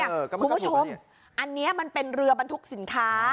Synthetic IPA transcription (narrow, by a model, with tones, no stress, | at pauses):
kʰuː˧mbu˦˥t͡ɕʰo˧m | ʔa˧nːi˦˥ɐma˧npe˧nɾɯ˧ɐba˧nt̪ʰu˦˥k̚si˨˩˦nkʰaː˦˥